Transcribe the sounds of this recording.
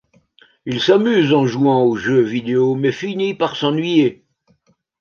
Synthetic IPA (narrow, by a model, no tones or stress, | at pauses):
ilsamyzɑ̃ʒuɑ̃oʒøvid̪eomɛfinipaʁsɑ̃nɥije